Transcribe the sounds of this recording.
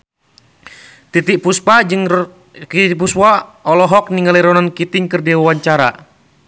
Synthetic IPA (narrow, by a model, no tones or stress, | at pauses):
t̪it̪iʔpuspad͡ʒɨŋ | kit̪ipuswaɔlɔɦɔk̚niŋaliɾɔnankit̪ɪŋkɨrdiwawaɲt͡ʃaɾa̰